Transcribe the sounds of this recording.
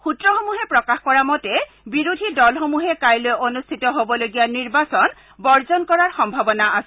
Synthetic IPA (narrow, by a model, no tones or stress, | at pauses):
xutɹɔxomuɦɛpɹɔkaxkɔɹamɔtɛ | biɹudʱidɔlxomuɦɛkajlojʔonust̪ʰitɔɦobɔloɡijaniɹbasɔn | bɔɹzɔnkɔɹaɹxɔmbʱabɔnaasɛ